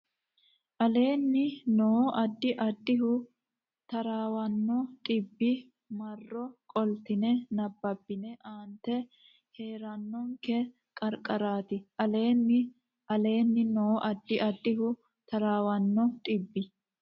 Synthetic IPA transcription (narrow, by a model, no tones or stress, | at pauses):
ʔɐle̞ːnːɪnoːʔɐd̪ːɪʔɐd̪ːɪɦʊ | t̪ɐɾaːwɐnːɔt̪ʼɪbːɪ | mɐrːɔkʼɔlt̪ɪnɛnɐbːɐbːɪnɛʔaːnt̪ːɛ | he̞ːɾɐnːɔŋkɛ | kʼɐɾkʼɐɾaːt̪ɪʔɐle̞ːnːɪ | ʔɐle̞ːnːɪnoːʔɐd̪ːɪʔɐd̪ːɪɦʊ | t̪ɐɾaːwɐnːɔt̪ʼɪbːɪ